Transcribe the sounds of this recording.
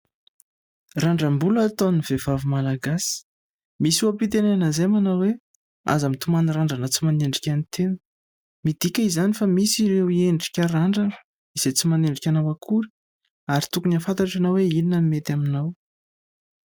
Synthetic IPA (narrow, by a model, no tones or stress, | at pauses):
raɳɖ͡ʐəmbulat̪oniv̥evavimalaɡasi̥ | misuapit̪enenəzemanawwe | a̰zəmit̪umaniraɳɖ͡ʐanət͡simaneɳɖ͡ʐikʲanit̪en̥ | mid̪̥ikʲəizanifamisiɾewieɳɖ͡ʐi̥kʲəraɳɖ͡ʐanə̥ | iz̥et͡simaneɳɖ͡ʐikʲanawakʰuɾi̥ | aɾit̪ukunafant̪aʈ͡ʂanaweininəmet̪aminaw